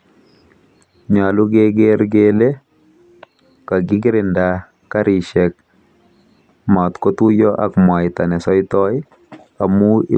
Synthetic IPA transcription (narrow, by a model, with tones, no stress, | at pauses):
ɲa˨lu˦ɡeɡeɾɡele˦ | ka˨ɡɪ˦ɡɪ˦ɾɪnda | ka˦ɾi˨ʃɛk̚ | ma˨t̪kɔ˦tu˦jɔʔa̰kmwa˨jta˨nɛ˨sɔ˦jtɔj | a˨mu˦ḭ˦